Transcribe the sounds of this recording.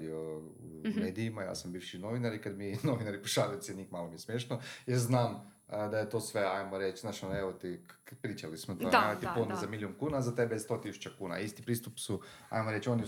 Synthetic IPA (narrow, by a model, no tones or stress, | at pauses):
d̪io | umeːd̪ijimaja̰ːsambiʋʃino̞ʋinaɾikad̪minoʋinaɾipuʃaːɾiosʲiɛnikmalˠomijesmjeːʃnojeɾznaːm | d̪ajet̪o̞sʋe̞ajmoɾet͡ʃznaʃaneʋot̪ikpɾiːt͡ʃalismod̪at̪iponazamilʲjonkuːnaːzat̪ebest̪o̞t̪isu̥t͡ɕakuːna̰ist̪ipɾiːst̪upsua̰jmoɾe̞t͡ʃo̞ni